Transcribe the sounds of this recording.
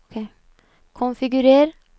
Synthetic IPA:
kʰe | kʰɔnfɪɡʉɾeːɾ

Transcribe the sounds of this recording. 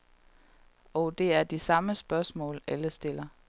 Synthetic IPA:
ɒ̽ʊd̥e̝æɐd̥isɑ̈məsb̥ɶɐsmɔ̰̽ːleləsd̥e̝l̰ɐ

